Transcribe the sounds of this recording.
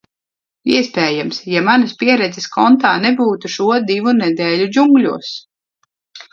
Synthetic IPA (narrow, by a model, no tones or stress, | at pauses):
iɛspɛːjamsjamanɐspʲiɛɾɛd̪zɛskɔnt̪aːnɛbuːt̪uʃuɔd̪ivunɛd̪ɛːlʲud͡ʒuŋɡlʲuɔs